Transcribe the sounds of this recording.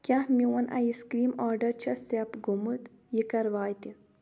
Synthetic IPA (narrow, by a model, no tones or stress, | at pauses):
kʲahmiwɐnʔɐ̰jiskɾiːmaːɾɖɐɾt͡ʃʰɐsepɡumut̪ | jikɐɾʋaːjt̪i